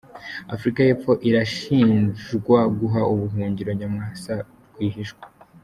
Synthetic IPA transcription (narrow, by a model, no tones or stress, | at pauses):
afɾikaje̞ːp͡fo̞ʔiɾaʃiːnʒɡwaɡuɦaʔuβuɦuːɲɟiɾo̞ɲamŋasa | ɾɡwiːɦiʃɡwḁ